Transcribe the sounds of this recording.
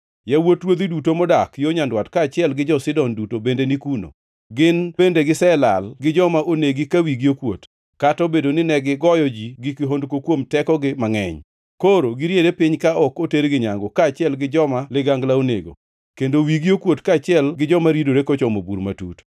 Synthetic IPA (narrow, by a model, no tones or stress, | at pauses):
jawotɾwod̪idutomɔdakjoɲandwatkat͡ʃɪɛlɡɪd͡ʒɔsɪdɔndutobendenikuno̰ | ɡɪnbendeɡɪsɛla̰lɡɪd͡ʒɔmaʔoneɡikawiɡiokwo̰t | katɔbedonɪnɛɡɪɡɔjɔd͡ʒiɡɪkɪɦondkokwomtɛkɔɡɪmaŋɛ̰ɲ | koɾoɡɪɾjedepɪɲkaɔkoteɾɡɪɲaŋɡɔkaːt͡ʃɪɛlɡɪd͡ʒɔmalɪɡaŋɡlaonḛɡo̰ | kendowiɡiokwotkaːt͡ʃɪɛlɡɪd͡ʒɔmaɾidoɾekɔt͡ʃɔmobṵɾmatṵt